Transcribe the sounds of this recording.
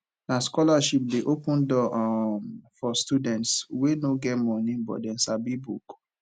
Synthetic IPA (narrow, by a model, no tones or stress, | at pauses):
naskɔlaʃip̚deʔopũndɔ | fɔstudɛ̃ntswenoɡɛtmɔ̃nĩbɔ̰dɛ̃nsabibṵk